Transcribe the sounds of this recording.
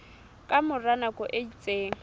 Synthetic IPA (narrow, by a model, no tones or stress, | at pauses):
kʼamʊranakʼɔʔedit͡sʼeːŋ̩